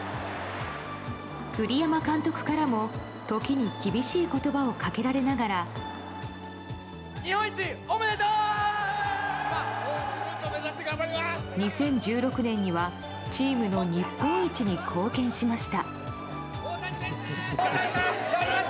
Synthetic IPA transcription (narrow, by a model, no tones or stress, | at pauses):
kɯ̟ɾʲijamakãnt̪o̞kɯ̟̥kaɾamo̞ | t̪o̞kʲiɲ̟ikʲibʲiɕiːko̞t̪o̞bao̞kake̞ɾaɾe̞naɡaɾa | ɲihõit͡ɕiomeet̪o | ɲ̟isẽ̞ɲ̟d͡ʑɨːɾo̞kɯ̟nẽ̞ɲ̟ːiβa | t͡ɕiːmɯ̟no̞ɲ̟ipːõ̞ɰit͡ɕiɲ̟ikʰo̞ːkẽ̞ɰ̃ɕimaɕi̥t̪a